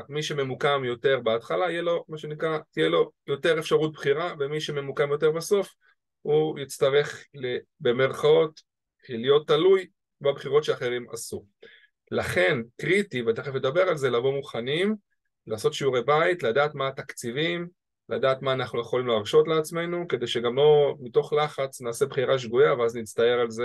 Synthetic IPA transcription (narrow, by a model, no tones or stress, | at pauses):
miʃe̞me̞mukamjo̞t̪e̞ʁbeat̪χalaijelo̞maʃe̞nikʁat̪ijelo̞jo̞te̞ʁefʃaʁut̪̚bχiʁavemiʃe̞me̞mukamjo̞t̬e̞ʁbaso̞f | hujit͡st̪aʁe̞χlebe̞me̞ʁχao̞t̪ | lijo̞t̪ːaluj | babχiʁo̞tʃeaχe̞ʁima̰su | laχe̞nkʁit̪iveat̪eχefled̪abe̞ʁalze̞lavomuχanim | laːso̞t̪ʃiuʁebajit̪lad̪aːt̪maːt̪akt͡sivim | la̰d̪aːt̪maːnaχnujeχo̞limleːʁʃo̞tleat͡sme̞nuked̪e̞jʃe̞ɡamlo̞mit̪o̞χlaχat͡snaːse̞bχiʁaʃ̬ɡujaveaznit͡st̪aje̞ʁalze